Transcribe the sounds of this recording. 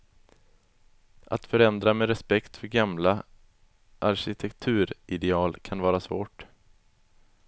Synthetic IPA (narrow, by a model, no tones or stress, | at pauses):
ʔa̰t̪fœɾɛnd̪ɾameɾɛspɛkt̪fœɾɡamla | ʔaɾɕɪt̪ʰɛkt̪ʰʉ̟ːɾɪd̪ɛɑːlkʰanvɑːɾasvoːʈ